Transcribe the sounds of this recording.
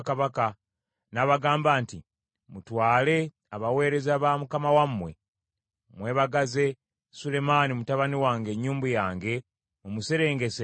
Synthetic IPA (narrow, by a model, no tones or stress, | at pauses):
kaβaka | naːβaɡaːmbaːnti | mutwaːle̞ | aβawe̞ːɾe̞zaβamukamawamːwe̞ | mwe̞ːβaɡaze̞ | sule̞manimutaβaniwaːŋɡe̞ːɲːuːmbujaːŋɡe̞ | mumuse̞ɾe̞ːŋɡe̞se